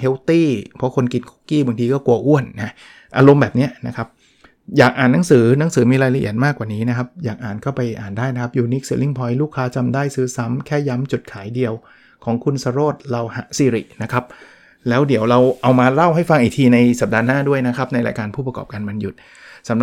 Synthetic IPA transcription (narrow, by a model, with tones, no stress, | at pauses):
he˦˥wt̪iː˥˩pʰɔ˦˥kʰo˧nki˧nkʰo˥kiː˥˩ba˧ŋt̪ʰiː˧kɔː˥˩ku˧ɐʔu˥˩ənːa˦˥ | ʔa̰ː˧ɾo˧mbɛː˨˩p̚ni˦˥ɐna˦˥kʰa˦˥p̚ | jaː˨˩k̚ʔaː˨˩nːa˩˦ŋsɯː˩˦na˨˩˦ŋsɯː˩˦miː˧ɾaː˧jla˧ʔḭ˨˩ət̪̚maː˥˩kːwaː˨˩niː˦˥na˦˥kʰa˦˥p̚jaː˨˩k̚ʔaː˨˩nkʰɔ˥˩wpa˧jʔaː˨˩ndaː˥˩jna˦kʰa˦˥p̚juː˧ni˦˥k̚sɯ˨˩˦li˥˩ŋpʰɔ˧˦jluː˥˩kʰːaː˦˥t͡ɕa˧mdaː˥˩jsɯː˦˥sa˦˥mkʰɛː˥˩ja˦˥mt͡ɕu˨˩t̪̚kʰaː˨˩˦jdi˧əw | kʰɔː˩˦ŋkʰu˧nsa˧ɾoː˥˩t̪̚ɾa˧wha̰˩˦siː˧ɾḭ˨˩ʔna˦˥kʰa˦˥p̚ | lɛː˦˥wdi˨˩˦əwɾa˧wʔa˧wmaː˧la˥˩wɦa˥˩jfa˧ŋʔiː˨˩t̪ʰiː˧na˧jsa˨˩p̚daː˧naː˥˩du˥˩əjna˦˥kʰa˦˥p̚na˧jɾa̰˧jkaː˧npʰuː˥˩p̬ɾa˧kɔ̰ː˨˩p̚kaː˧nma˧nju˨˩t̪̚ | sa˩˦m